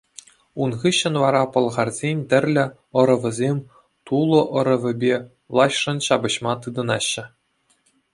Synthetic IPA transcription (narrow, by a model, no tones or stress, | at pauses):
unʁɯɕːɤ̆nʋɑɾɑpɤ̆lˠʁɑrzʲenʲt̪ʲɘ̆rʲlʲɘ̆ | ɤ̆ɾɤ̆ʋʲɘ̆zʲemʲ | t̪ulˠɤ̆ʔɤ̆ɾɤ̆ʋʲɘ̆bʲe | lˠɑɕʂɤ̆nɕɑbɤ̆ɕmɑt̪ɯd̪ɤ̆nɑɕːɘ̆